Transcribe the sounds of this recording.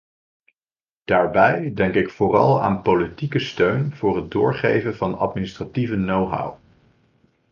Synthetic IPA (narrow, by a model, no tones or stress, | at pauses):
d̥aːɹbɛjdɛŋkɪkfʊːrɑ̰lˠa̰ːnpolitikəstøɥnv̥ʊːrɦət̚dʊːɹχejvənvɑnɑ̰tministrativənowɦa̰w